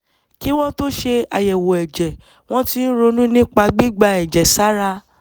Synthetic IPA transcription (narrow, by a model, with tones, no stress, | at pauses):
ki˦w̃ɔ̃˦to˦ʃe˧a˨jɛ˨wo˨ɛ˨d͡ʒɛ˨ | w̃ɔ̃˦ti˧˦ɾo˧nũ˦nĩ˦k͡pa˧ɡ͡bi˦ɡ͡ba˧ɛ˨d͡ʒɛ˨sa˨˦ɾa˧